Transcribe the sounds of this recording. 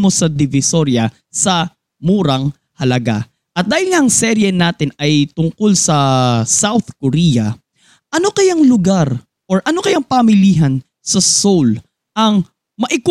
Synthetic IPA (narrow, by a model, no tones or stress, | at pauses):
mo̞sɐd̪ɪvɪso̞ɾjɐ | sɐ | muːɾɐŋ | hɐlɐɡa̰ | ʔɐt̪̚d̪aːhɪlŋaʔɐŋsɛɾjɛnaːt̪ɪnɐjt̪ʊŋkolsɐsawθkoɾijɐ | ʔɐnokɐjaŋlʊɡaɾ | ʔoɹʔɐnokɐjaŋpɐmɪliːɦɐn | sɐsol | ʔɐŋ | mɐʔɪk